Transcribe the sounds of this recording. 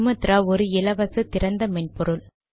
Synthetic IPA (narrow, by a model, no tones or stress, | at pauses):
mɐt̪ːɪɾaːɔɾɯɪlɐʋɐsɯt̪ɪɾɐnd̪ɐmɛnpɔɾɯl